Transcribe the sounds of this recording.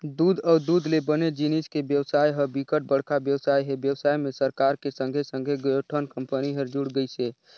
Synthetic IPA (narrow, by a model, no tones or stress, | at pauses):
d̪uːd̪ɔʊd̪ud̪ʱlebəned͡ʒiniskebjəwsaːjɦəbikəʈ̚bəɽ̤kabjəwsaːjɦebjəwsaːjmẽsəɾkaɾkesə̃ŋɡʱesə̃ŋɡʱeɡəoʈʰənkəmpəniɦəɾd͡ʒuɽɡəjse